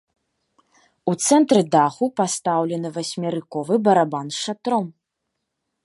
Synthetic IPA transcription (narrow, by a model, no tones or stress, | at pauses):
ut̪sɛnt̪ɾɨd̪axupast̪awlʲɛnɨvasʲmʲaɾɨkɔvɨbɐɾabanʂat̪ɾɔm